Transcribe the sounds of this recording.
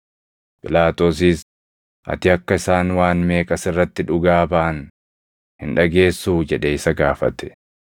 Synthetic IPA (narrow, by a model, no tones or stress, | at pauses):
pɪlaːt̪o̞ːsiːs | ʔɐ̰t̪ɪɐkːɐɪsaːnwaːnme̞ːkʼɐsɪrːɐt̪ːɪᶑʊɡaːbaʔːn | hɪnᶑɐɡe̞ːsːuːd͡ʒɛᶑeɪsɐɡaːfɐ̰t̪ɛ̥